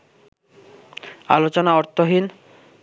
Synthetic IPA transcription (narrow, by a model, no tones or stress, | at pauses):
a̰lot͡ɕonaɔɾt̪ʰoɦin